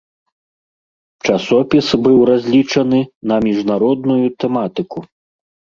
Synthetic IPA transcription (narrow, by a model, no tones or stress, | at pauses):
t͡ʂasɔpʲisbɨwrazʲlʲit͡ʂɐnɨnɐmʲiʐnaɾɔd̪nujut̪ɛmat̪ɨku